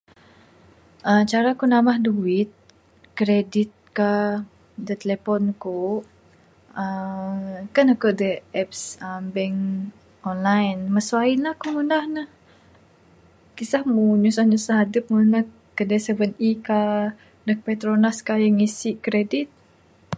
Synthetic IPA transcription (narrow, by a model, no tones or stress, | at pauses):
ʔət͡ʃaɾakunamahduɪt̪̚ | kɾedit̪̚ka | dət̪əlɛpɔnko | ə | kanakuʔdəɛp̚səmbɛŋ | ɔnlajnməsuainlahkuŋunahnəh | kisahmuɲusahɲusahadəp̚ŋuna | kədasəvənika | dək̚pɛt̪ɾonaskajəŋisiʔkɾedit̪̚